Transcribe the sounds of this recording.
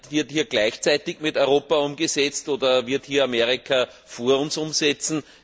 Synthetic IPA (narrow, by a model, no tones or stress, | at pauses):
tvɪɐthiːɐɡ̥læɪçt͡sæɪtɪçmɪtɔʏʁoːpaʊmɡəsɛt͡stoːdɐvɪɐthiːɐameɐʁɪkʰa | foːɐʊnsʊmsɛt͡sn̩